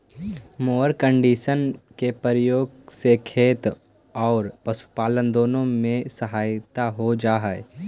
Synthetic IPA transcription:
moːəɾkə̃ɳɖiːʃənkepəɾjoːɡsekʰeːt̪ | ɔːɾpɐʃu̥paːlənd̪oːnõmẽsəɦaːjt̪aɦod͡ʒaːɦɛe

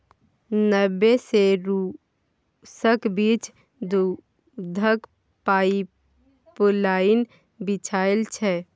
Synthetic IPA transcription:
nəbːeseɾu | səkbit͡ʃ | d̪u | d̪ʱək | pai | plain | bit͡ʃʰaːelt͡ʃʰɛ

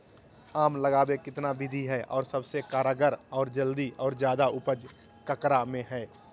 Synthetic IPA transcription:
aːmləɡaːbekɪt̪nabɪd̪ʱiɦɛʔɔːɾsəbsekaːɾaɡəɾɔːɾd͡ʒəld̪iʔɔːɾzjaːd̪aʊpəd͡ʒ | kəkɾamẽɦɛː

